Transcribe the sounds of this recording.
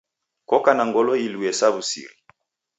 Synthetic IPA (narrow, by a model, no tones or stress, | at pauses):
kɔkanaŋɡɔlɔiluɛsaβusḭɾḭ